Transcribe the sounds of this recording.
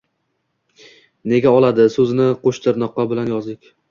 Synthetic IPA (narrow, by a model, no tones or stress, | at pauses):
ne̞ɡʲaɒlˠad̪ɪsɵzɪnɪqʰoʃt̪ʰɪɾnɒqːɑbɪlanjɒzd̪ɪkʲ